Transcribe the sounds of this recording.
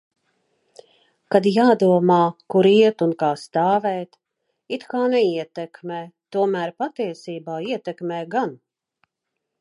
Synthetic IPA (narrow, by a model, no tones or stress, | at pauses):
kad̪jaːd̪uɔmaːkuɾiɛt̪unkaːst̪aːvɛːt̪ | it̪kaːnɛiɛt̪ɛkmɛːt̪uɔmæːɾpat̪iɛsiːbaːiɛt̪ɛkmɛːɡan